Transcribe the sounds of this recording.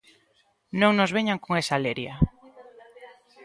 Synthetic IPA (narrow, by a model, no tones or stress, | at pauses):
nõŋnozβeɲaŋkoŋesaleɾja